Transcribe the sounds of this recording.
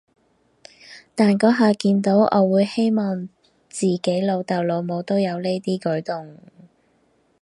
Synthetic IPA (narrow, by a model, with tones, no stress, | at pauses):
t̪aː˨nkɔː˨˥ɦaː˨˧kiː˧nt̪o˨˥wʔɔ̰ː˨˧wuː˨˧jhe˥jmɔː˨˩ŋ | t͡siː˨˩ke˨˥jlo˨˧wt̪ɐ˨wlo˨˧wmo˨˧wt̪o˥wjɐ˨˧wle˥jt̪iː˥kɵ˨˥ɥt̪ʊ˨ŋ